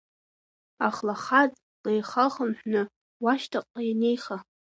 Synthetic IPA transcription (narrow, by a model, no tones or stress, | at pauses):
aχlaχatʼ | lejχaχəmħʷᶣnɨ | waʃtʰaqʼːajanejχa